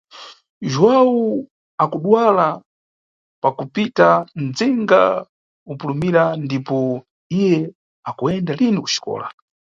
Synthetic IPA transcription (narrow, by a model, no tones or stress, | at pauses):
ʒwawu | akuɗwala | pakupitand͡ziŋɡa̰ | upulumiɾandipɔ | ijɛ | akuɛndaliniku̥ʃi̥kɔ̰ːla̰